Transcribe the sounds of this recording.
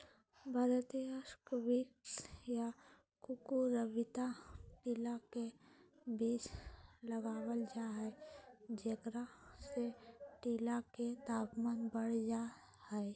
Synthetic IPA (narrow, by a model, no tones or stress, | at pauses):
bʱaːɾət̪iəskwiksja | kukuɾəbɪt̪aʈilake | biːsləɡaːwəld͡ʒaɦɛd͡ʒekɾaseʈiːlaket̪aːpmaːnbəɽd͡ʒa | hɛː